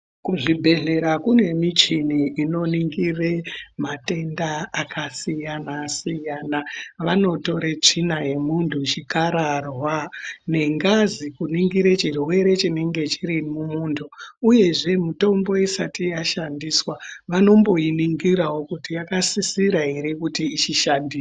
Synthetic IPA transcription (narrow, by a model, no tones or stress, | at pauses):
kuʐibʱe̞ɮe̞ɾakune̞mit͡ʃiniʔːno̞niŋɡiremate̞ndaːkʰasijanasijaːnaʋano̞to̞ɾet͡ʂinaje̞muntʰut͡ʃikaɾarwane̞ŋɡazikuniŋɡiɾet͡ʃirwe̞ɾe̞t͡ʃine̞ŋɡe̞t͡ʃiɾimumuːntʰuuje̞ʐe̞mito̞mbo̞isatijaʃandiːswaʋano̞mbo̞jiniŋɡiɾawo̞kutijakasisiɾaɦeɾikutiːt͡ʃiʃandiːs